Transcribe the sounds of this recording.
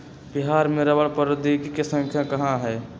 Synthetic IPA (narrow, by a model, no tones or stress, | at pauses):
bɪɦaːɾmẽɾəbəɭpəɾəd̪ikikesə̃ŋkʰjakɐɦãɦɛː